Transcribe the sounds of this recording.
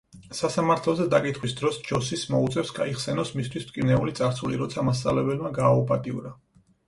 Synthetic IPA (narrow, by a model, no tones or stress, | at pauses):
sasamaɾt̪ʰlˠɔzɛd̪akʼit̪ʰχwisd̪ɾɔsd͡ʒɔsismɔut̪sʼɛfsɡaiχsɛnɔsmist̪ʰwist̪kʼinɛulit̪sʼaɾtsulḭɾɔt̪sʰamas̬t̪sʼa̰vlɛbɛlmaɡaːupʼat̪ʼiṵɾa